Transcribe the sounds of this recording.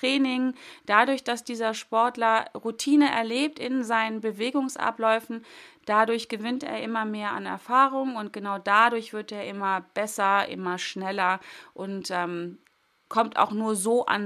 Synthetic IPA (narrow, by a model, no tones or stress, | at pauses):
ʁ̥ɛːnɪŋd̥adʊɐçd̥asd̥iːzɐʃpɔɐtlɐʁutʰiːnəʔɛ̰ɐleːp̚tɪnzaɪnənbəveːɡʊŋsʔa̰plɔʏfn̩d̥adʊɐçɡ̥əvɪntḛːɐʔɪmɐmeːɐa̰nɛ̰ɐfaːʁʊŋʊnt̚ɡ̥ənaʊdadʊɐçv̥ɪɐteːɐʔɪmɐb̥ɛsɐʔɪ̰mɐʃnɛlɐʔʊntʔɛːm | kʰɔmta̰ʊxnuːɐzoːʔa̰n